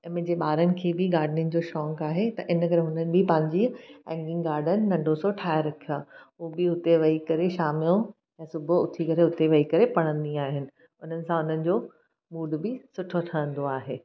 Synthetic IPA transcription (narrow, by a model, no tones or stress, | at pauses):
ɛ̃ːmẽd͡ʑeɓaːɾənɪ̆kʰeːbɪɡaːɾɖnɪ̃nd͡ʑoːʃɔ̃ːŋkaːɦet̪ɐʔɪnkɐɾɦʊnənɪ̆bɪpɐ̃ɦɪ̃ɲd͡ʑiɛ̃ːŋɡɪ̃ŋɡaːɾɖənɪ̆nɐ̃ɳɖʱosɔʈʰaːeɾɐkʰijaːɦuːbɪɦʊt̪eʋɐikɐɾeʃaːmɪjõ | ɛ̃ːsʊbʱʊt̪ʰikɐɾeɦʊt̪eʋɐikɐɾepɐɽ̃ə̃nd̪iaːɦɪnɪ̆ | ʊn̤ənɪ̆sãʊn̤ənɪ̆d͡ʑoː | muːɖbɪsʊʈʰoʈʰəɾə̃nd̪oaːɦeː